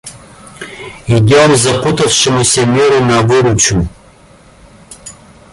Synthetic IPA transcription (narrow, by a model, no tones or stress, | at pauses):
id̪ʲamzɐput̪ɐfʃɛmusɛmiɾunavuɾut͡ʃu